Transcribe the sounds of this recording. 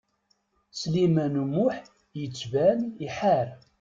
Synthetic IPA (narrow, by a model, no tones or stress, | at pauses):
slimænumʊħ | jət͡sːvæniħaɾ